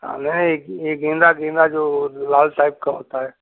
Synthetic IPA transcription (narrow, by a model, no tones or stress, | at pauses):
ɦa̰nɛɦnə̃ekeːɡẽːnɾaɡẽːnd̪ad͡ʒoːlaːlʈaːɪp̚kaɦo̰ːt̪aɦɛː